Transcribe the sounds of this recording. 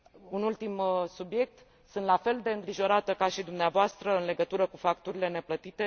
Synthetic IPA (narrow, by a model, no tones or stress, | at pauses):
unult̪imsubje̞k̚t̪ | sɨnt̪lafe̞ld̪e̞ɨŋɡɾiʒo̞ɾat̪əkaʃid̪umneavoast̪ɾəɨnle̞ɡət̪uɾəkufakt̪uɾile̞ne̞plət̪it̪e̞